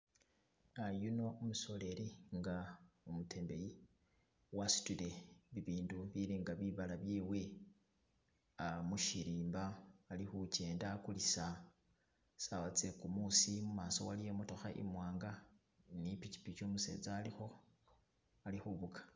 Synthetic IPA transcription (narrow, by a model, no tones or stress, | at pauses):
ajuno̞omuso̞le̞ɾiŋɡaumutʰe̞ːmbe̞ji | wasi̥tule̞βiβiːnduβiliːŋɡaβiβalaβjiːwe̞ | amuʃiɾiːmbaːlixut͡ʃe̞ːndakulisa | sawat͡se̞kumusimumaːso̞walijemoto̞xaʔḭmwaːŋɡa | nipici̥pit͡ʃomuse̞̰ːd͡zaːlixo̞ | alixuβukḁ